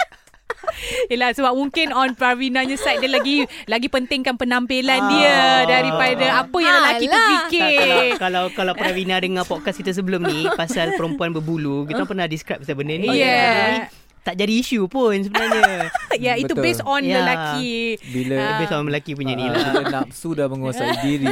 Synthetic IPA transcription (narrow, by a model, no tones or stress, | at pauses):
jəlahsəbap̚mũŋkɪnɔnpɾawinãɲãsajt̪̚dəlaɡilaɡipənt̪ɪŋkanpənampilandiədaɾipadaapəjãŋləlait̪əpikɪkalawkalawɾawinadəŋãpɔʔ̚kaskit̪as̬əbəlʊmnĩpasalpəɾəmpuanbəbulukit̪ulapərnadiskɾap̚sabəndənijɛnai | t̪aʔd͡ʒadiːʃupʊns̬əbənaɲajait̪ubesɔnjləlakibilit̪ubesɔnəlakip̬uɲanilaasudahməŋuasadiɾi